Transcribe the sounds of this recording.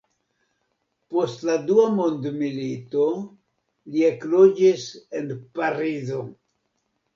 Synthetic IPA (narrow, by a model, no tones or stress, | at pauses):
po̞stladuamondmilito̞ | lieklod͡ʒise̞npaɾizo̞